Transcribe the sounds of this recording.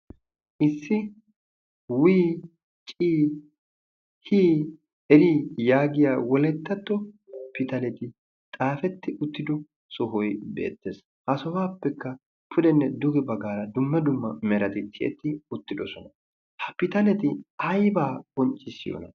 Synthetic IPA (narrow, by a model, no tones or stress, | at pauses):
ʔɪsːɪ | wiː | t͡ʃʼiː | hiː | ɛɾijaːɡɪjaːwɔlɛt̪ːɐt̪ːɔpɪt̪ɐlɛt̪ɪ | t̪ʼaːfɛt̪ːɪʔʊt̪ːɪd̪ɔ | sɔɦɔjbe̞̰ːt̪ːeːs | hɐsɔwaːpːɛkːɐ | pʰʊd̪ɛnːɛd̪ʊɡɛbɐɡaːɾɐd̪ʊmːɐd̪ʊmːɐmɛɾɐt̪ɪt̪ʰːɪʔɛ̰t̪ːɪʊt̪ːɪd̪ɔsɔnɐ | hɐpɪt̪ɐlɛt̪ɪɐjbaːkʼɔnt͡ʃʼːɪsːɪjɔ̰ːnɐ̰